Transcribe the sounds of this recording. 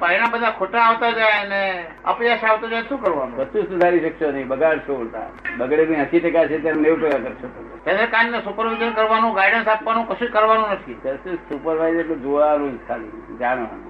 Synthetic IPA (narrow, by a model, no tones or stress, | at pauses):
painabəd̪ʱakʰoʈaːʋt̪ad͡ʒajəne | ə̰pijaʃaʋt̪ad͡ʒajʃũkəɾʋanũbəsũsud̪ʱaɾiʃəkʃonəĩbəɡaɽt͡ʃʰoɽt̪a̰bəɡɽebə̃ɦəʃiʈəkat͡ʃʰet̪janneʋpeɡakəɾt͡ʃʰot̪o | t̪enekanːesupəɾʋid͡ʒənkəɾʋanũɡaiɖənsapʋanũkəʃũkəɾʋanũnət̪ʰit̪əɾsusupəɾʋaizeʈled͡ʒoʋanũd͡ʒt̪ʰalḭd͡ʒanʋa̰nṵ̃